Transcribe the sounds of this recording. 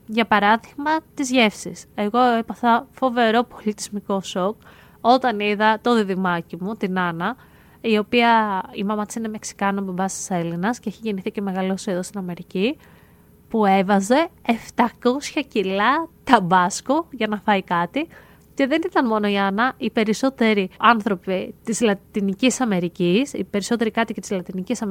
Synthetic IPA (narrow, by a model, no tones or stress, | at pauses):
ʝɐpɐɾɐðiɣmɐt̪izʝe̞fsise̞ɣo̞epɐθɐfo̞ve̞ɾo̞po̞lit̪izmiko̞so̞k | o̞t̪ɐniðɐt̪o̞ðiðimɐcimut̪inɐnɐ | io̞piɐimɐmɐt̪i̥sine̞me̞ksi̥kɐnobombɐst̪i̥se̞linɐsceeçiʝeniθice̞me̞ɣɐlosiðost̪inɐme̞ɾici | pue̞vɐze̞eft̪ɐko̞sçɐcilɐt̪ɐbɐskoʝɐnɐfɐikɐt̪i | ce̞ðe̞nit̪ɐnmo̞no̞iɐnɐʔipe̞ɾiso̞t̪e̞ɾiɐnθɾo̞pit̪izlɐt̪inicisɐme̞ɾicisḭpe̞ɾiso̞t̪e̞ɾikɐt̪icet̪izlɐt̪inicisɐm